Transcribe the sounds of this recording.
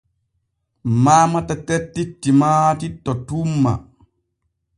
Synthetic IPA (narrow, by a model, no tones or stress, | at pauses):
maːmatatɛtːitːimaːtitːɔtumːa̰